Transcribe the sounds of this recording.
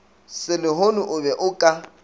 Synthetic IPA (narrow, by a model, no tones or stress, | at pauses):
sɪlɪɦonʊʔʊbɛʔʊkʼa